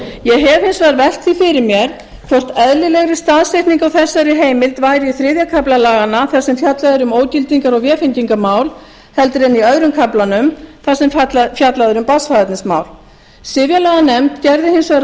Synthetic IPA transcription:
jɛɣɦɛv̥hɪnsvaɾvɛl̥t̪θifɪɾɪɾmjɛɾ̥ | k̪ʰɔwr̥t̪ɛðlɪlɛɣɾɪst̪aːðsejht̪niŋkawθɛsːaɾɪɦeːjmɪlt̪vaːjɾɪiθɾɪːðjakʰaplalaːɣanaθḁsɛmfjat̪laðʏɾʏmoːwcɪlt̪iŋkaɾɔɣvjɛːfɪnc̪iŋkamaːwl | hɛlt̪ʏɾɛnːiœðɾʏmkʰaplanʏmθasɛmfjat̪laðʏɾʏmpasfaðɛt̪nɪsma̰ːwl | sɪvjalaːɣanɛmt̪cɛɾðɪhɪnsvaɾ

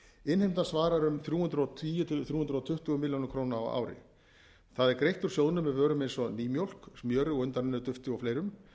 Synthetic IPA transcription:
ɪnhejmt̪ansvaːɾaɾʏmθɾjuːhʏnt̪ɾɔwt̪ʰviːjʏt̪ʰɪθjuːhʏnɾɔt̪ʰʏht̪ʏɣʏmɪljonʏmkʰɾoːnaa̰wa̰ːwɾɪ̰ | θaðɛɾkɾejht̪ʏɾ̥sjowðnʏmːɛðvœːɾʏmejnsɔniːmjowl̥kmjœːɾʏɔɣʏnt̪aɾɪnʏðʏt̪ʏft̪ɪɔflejɾʏm

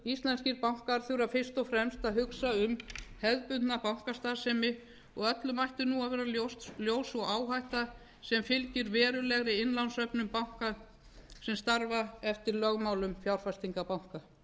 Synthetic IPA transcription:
ist̪lɛnsciɾpawŋ̥kaɾ̥θʏɾafɪr̥st̪ɔfɾɛmst̪aðɦʏksaʏmhɛðpʏnnapawŋ̥kast̪aːðsɛmɪ | ɔɣœt̪lʏmajht̪ʏnuavɛːɾalosljoːwsɔɣaːwɦajht̪a | sɛmfɪlcɪɾvɛːɾʏlɛɣɾɪɪnlansœpnʏmpawŋ̥ka | sɛmst̪aɾvaɛft̪ɪɾlœɣmaːwlʏmfjawɾ̥fast̪iŋkapawŋ̥ka

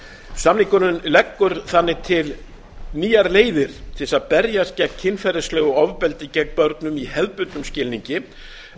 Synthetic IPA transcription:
samnikʏnʏnlɛkːʏɾ̥θanːɪt̪ʰɪl | niːjaɾleːjðɪɾ̥t̪ʰɪsaðpɛɾjascɛcʰːɪnfɛɾɪslœːɣʏɔvpɛlt̪ɪcɛkpœɾt̪nʏmihɛðpʏnt̪nʏmscɪlniɲcɪ

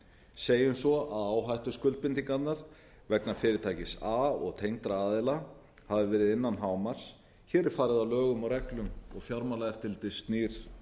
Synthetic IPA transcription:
seːjʏmsɔaðaːwɦajht̪ʏskʏlt̪̚pɪnt̪iŋkat̪naɾ̥ | vɛknḁfɪːɾɪɾt̪ʰaːjcɪsaːɔ̰ɣt̪ʰejŋt̪ɾaaːðɪla | havɪvɛːɾɪðɪnːanɦaːwmaɾ̥s | çɛːɾɛɾ̥faːɾɪðalœːɣʏmawɾɛklʏmɔɣfjawɾmalaɛft̪ɪlt̪ɪst̪niːɾ̥

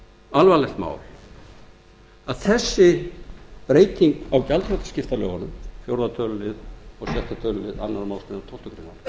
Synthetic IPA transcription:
alvalɛht̪ma̰ːwl | aðθɛsːɪ | pɾeːjt̪iŋkawcalt̪ʰɾœt̪ḁscɪft̪alœ̰ːɣanʏmfjowɾðat̪ʰœːlʏlɪðɔɣsjɛht̪at̪ʰœːlʏlɪða̰nːaɾmaːw̪lst̪nt̪ʰowlt̪ʏkɾɪnːa̰n

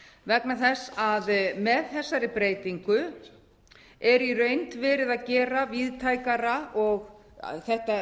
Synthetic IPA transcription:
vɛknaθɛsːaðmɛðθɛsːaɾɪpɾeːjt̪iŋkʏ | ɛɾirœːɥjnt̪vɛːɾɪðaðcɛːɾaviðt̪ʰaːjkaɾaʔɔɣ̰ | θɛht̪a

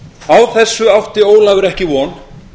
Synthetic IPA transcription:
awθɛsːʏawht̪ɪoːwlaːɣʏɾɛhcɪvɔn

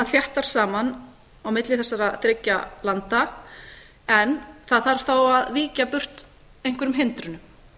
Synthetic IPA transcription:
aðθjaht̪aɾ̥saːman | awmɪt̪lɪθɛsːaɾaθɾɪcːalant̪a | ɛnθaðθaɾ̥θowaðviːcapʏr̥t̪ | ejhŋ̥kvɛɾʏmɦɪnt̪ɾʏnʏm

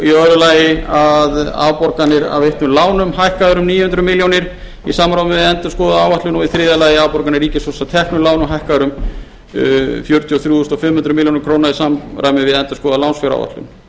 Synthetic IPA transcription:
iœɾʏlaːjɪaða̰wpɔɾkanːɪɾa̰vejht̪nʏlaːwnʏmhajhkaðʏɾʏmniːjʏhʏnt̪ɾʏmɪljownɪɾ | isamɾaːwmɪvɪðɛnt̪ʏskɔːðaaːwvaht̪lʏnɔɣiθɾɪːðalaːjɪaːwpɔɾkanɪɾiːcɪsvɔsat̪ʰɛhknʏlaːwnʏmɦajhkaðʏɾʏm | fjœɾt̪ʰjɔθɾjuːʏst̪ɔfɪmhʏnt̪ɾʏmɪljownɪɾkʰɾoːwnaɾisamɾʔaːwmɪvɪðɛnt̪ʏ̥skɔːðalawnsfɛɾa̰wva̰t̪lʏ̰n

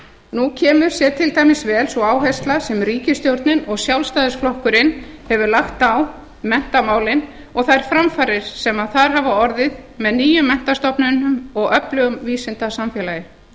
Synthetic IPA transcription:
nucʰɛːmʏɾ̥sjɛt̪ʰɪlt̪ajmɪsvɛːlsɔaːwɦajst̪lasɛmriːcɪst̪jowɾt̪nɪnɔɣsjawlst̪aːðɪsflɔhkʏɾɪnːhɛvʏɾlaxt̪aw | mɛn̥t̪amaːwlɪn | ɔɣθaɾ̥fɾamfaːɾɪɾ̥sɛmaðθaɾ̥ɦavaɔɾðɪðmɛðniːjʏmːɛn̥t̪ast̪ɔpnʏnʏmɔɣœplʏɣʏmviːsɪnt̪asamfjɛlajɪɾ̥

